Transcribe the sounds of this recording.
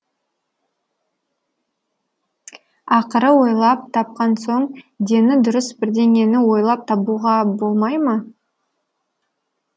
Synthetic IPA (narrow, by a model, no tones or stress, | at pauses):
ɑqəɾəwo̞jlˠɑp̚t̪ʰɑp̚qɑnso̞ɴd̪e̞nɪd̪ʊɾəsbɪɾd̪e̞ŋe̞nɪwo̞jlˠɑp̚t̪ʰɑpuʁɑbo̞lˠmɑjmə